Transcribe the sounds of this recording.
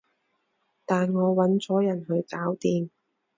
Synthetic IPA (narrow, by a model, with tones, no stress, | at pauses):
t̪aː˨nŋɔː˨˧wɐ˨˥nt͡sɔː˨˥jɐ˨˩nɦɵ˨˧ɥkaː˨˥wt̪iː˧m